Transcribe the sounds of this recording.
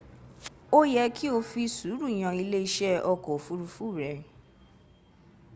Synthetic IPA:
o˦jɛ˧kʰi˦o˧fi˧su˨˦ɾu˦˨j̃ã˧i˧le˦i˧ʃɛ˦ʔɔ˧kɔ˨fu˦ɾu˧fu˦˨ɾɛ˨

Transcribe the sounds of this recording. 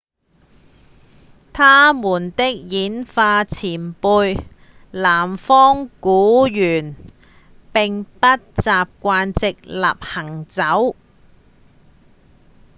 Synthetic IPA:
t̪ʰaː˥muː˨˩nt̪ɪ˥k̚jiː˨˥nfaː˧t͡sʰiː˨˩npuː˧j | laː˨˩mfɔː˥ŋkuː˨˥jyː˨˩n | pɪ˨ŋpɐ˥t̚t͡saː˨p̚kʷaː˧nt͡sɪ˨k̚la̰ː˨p̚hɐ˨˩ŋt͡sɐ˨˥w

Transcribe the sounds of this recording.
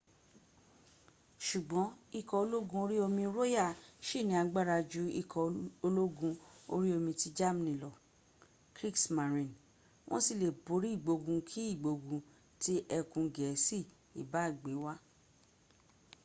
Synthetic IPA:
ʃu˨ɡ͡bɔ̃˨˦i˧kɔ˧o˧lo˦ɡũ˧˦o˧ɾi˦o˧mĩ˧ɾo˦ja˦˨ʃi˦˨nĩ˨˦a˧ɡ͡ba˦˨ɾa˧d͡ʒu˦i˦˨kʰɔ˧o˧lo˦ɡũ˧o˧ɾi˦o˧mĩ˧ti˦d͡ʒa˦m˦nĩ˨lɔ˨ | kɾi˦ksma˨ɾĩ˨n | wʔɔ̰̃˦si˦˨le˨bo˨˦ɾi˦i˦˨ɡ͡bo˧ɡũ˧kʰi˦i˦˨ɡ͡bo˧ɡũ˧ | ti˦ʔɛ˧kũ˧ɡɛ˨˦si˦˨ | ḭ˨ba˨˦i˦˨ɡ͡be˨˦wa˦

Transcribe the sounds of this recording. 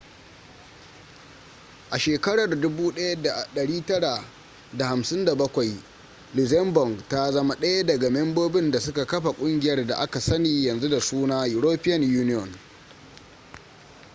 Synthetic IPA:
ʔa˨ʃeː˨kɐ˦ɽɐ˨rdʊ˦buː˦ɗɐ˦ja˦da˨ɗɐ˨ɽiː˦tɐ˦ɽa˨ | da˨ha˨msɪ˦nda˨bɐ˦kʷa˨j | lɪ˨zɛ˦mbɔ˨ŋɡta˦zɐ˦ma˦ɗɐ˦ja˦dɐ˨ɡa˨mɛ˦mboː˦bɪ˦nda˨sʊ˦ka˨kɐ˦ɸa˨kʷʼʊ˦ŋɡʲɪ˨jɐ˦rda̰˨ʔa˦ka˨sɐ˦niː˨jɐ˨nzu˦da˨suː˦naː˦jʊ˨ɾoː˦pɪ˦jɐ˨njuː˦nɪ˦jɔ˨n

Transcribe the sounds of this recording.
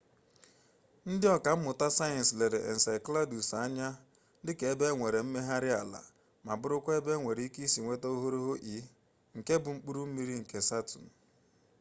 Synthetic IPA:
n̩˦dɪ˦ɔ˨ka˨m̩˦mʊ˨ta˦sa˦je˨n̩˨sle˨ɾe˨ʔḛ˨n̩˨sa˨jkla˦du˨sa˦ɲa˦ | dɪ˦ke˨˦be˦ŋʷe˨ɾe˨m̩˦me˦ɦa˦ɾɪ˦a˨la̰˨ | ma˨bʊ˦ɾʊ˦kʷe˦be˦ŋʷe˨ɾi˨˦i˦ki˦si˨ŋʷe˦te˦o˦ɦo˦ɾo˦ɦo˦ʔi˨˦ | ŋ̩˨ke˦bʊ˨ŋ͡m̩˦k͡pu˦ɾu˦m̩˦mi˦ɾi˦ŋ̩˨ke˨sa˦tṵ˨n̩˨

